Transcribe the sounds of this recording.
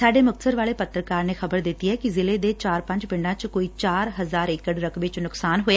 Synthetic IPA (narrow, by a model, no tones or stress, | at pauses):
saːɖeːmʊk̚t̪səɾʋaːleːpət̪ːɾəkaːɾneːxʰəbəɾd̪ɪt̪ːiːɦɛːkizɪleːd̪eːt͡ʃaːɾpə̃ɲd͡ʒpɪ̃ɳɖãːt͡ʃkoːiːt͡ʃaːɾɦəzaːɾɪkəɽɾəkʋeːt͡ʃnʊksaːnɦoːja